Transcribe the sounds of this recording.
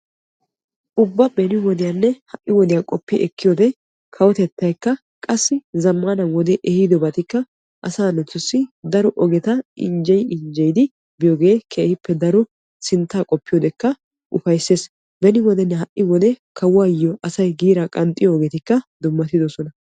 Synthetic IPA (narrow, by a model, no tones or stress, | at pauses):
ʔʊbːɐbɛnɪwɔd̪ɪjanːɛhɐʔːɪwɔd̪ɪjakʼɔpːɪʔɛkːɪjɔd̪ɛ | kʰɐwɔt̪ɛt̪ːɐjkːɐ | kʼɐsːɪzɐmːanɐwɔd̪ɛʔɛhɪd̪ɔbɐt̪ɪkːɐ | ʔɐsaːnɛt̪ːʊsːɪd̪ɐɾɔʔɔɡɛt̪ɐɪ̰nd͡ʒɛjɪnd͡ʒɛjd̪ɪ | bɪjɔɡe̞ːkʰɛhɪpːɛd̪ɐɾɔ | sɪnt̪ːaːkʼɔpːɪjɔd̪ɛkːɐ | ʔʊfɐjsːeːs | bɛnɪwɔd̪ɛnːɛɦɐʔːɪwɔd̪ɛkʰɐwaːjːɔʔɐsɐjɡiːɾakʼɐnt̪ʼɪjɔːɡɛt̪ɪkːɐd̪ʊmːɐt̪ːɪd̪ɔsɔnɐ